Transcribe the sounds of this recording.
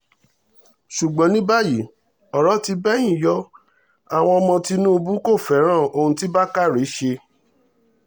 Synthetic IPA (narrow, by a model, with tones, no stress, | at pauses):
ʃu˨ɡ͡bɔ̃˨˦nĩ˦ba˦˨ji˨ | ɔ˨ɾɔ˨˦ti˧bɛ˦j̃ĩ˦˨jɔ˦ | a˨w̃ɔ̃˧ɔ˧mɔ̃˧ti˧nũ˦˧bu˦ko˦˨fɛ˨˦ɾ̃ã˦˨o˧hũ˧ti˦ba˦ka˦˨ɾe˨˦ʃe˧